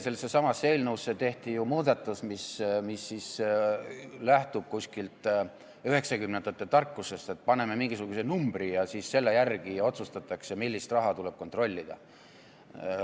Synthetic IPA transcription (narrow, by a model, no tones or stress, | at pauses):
se̞lsːesɑmɑsːe̞ːlnuwsːe̞t̪e̞ht̪ijumuːd̪̥ɑt̪ːˑusmismisːis | læht̪ub̥̚kusʲkilt̪ˑ | yɦe̞ksɑkymnend̪̥ɑt̪ːˑet̪ɑrkːuse̞st̪e̞t̪̚ːˑpɑne̞me̞miŋɡ̥isuɡ̥usenumb̥ɾijɑsisse̞lːe̞jærɡ̥ijɑo̞t̪sust̪ɑt̪ːˑɑkse̞milʲːist̪rɑɦɑt̪ule̞b̥kot̪ro̞lʲːid̪̥ɑ̰